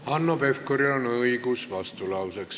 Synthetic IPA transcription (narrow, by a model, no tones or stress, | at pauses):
ɑnːopefkoɾionɤikusʋɑst̪ulɑwseks